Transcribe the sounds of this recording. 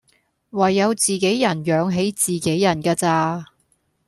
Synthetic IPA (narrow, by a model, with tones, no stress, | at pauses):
wɐ˨˩jːɐ˨˧wt͡siː˨ke˨˥jːɐ˨˩njœː˨˧ŋɦe˨˥jt͡siː˨ke˨˥jːɐ˨˩nkaː˧t͡saː˧